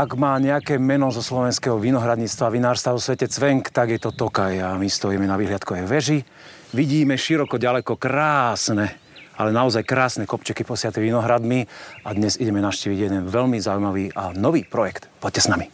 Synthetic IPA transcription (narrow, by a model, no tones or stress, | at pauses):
aɡmaːɲɛakɛːmɛnɔzɔslɔʋɛnskɛɦɔʋinɔɦɾad̪ɲit͡st̪ʋaʋinaːɾst̪aʋɔsʋɛcɛt͡sʋɛŋkt̪aɡjɛt̪ɔt̪ɔkajamist̪ɔjiːmɛnaʋiːɦlɪat̪kɔɛʋɛʒi | ʋiɟiːmɛʃiɾɔkɔɟalɛkɔkɾaːsnɛ | alɛnaɔzajkɾaːsnɛkɔpt͡ʃɛkipɔsɪat̪ɛʋinɔɦɾad̪miad̪ɲɛziɟɛmɛnaʊʃciːʋiɟjɛd̪ɛnʋɛlmizauimaʋiːʔanɔʋiːpɾɔjɛkt̪pɔc̚cːɛsnami